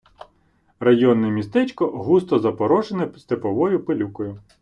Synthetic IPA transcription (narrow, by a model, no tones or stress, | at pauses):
rɐjɔnːɛmʲist̪ɛt͡ʃkɔɦust̪ɔzɐpɔɾɔʒenɛst̪epɔʋɔjʊpelʲukɔjʊ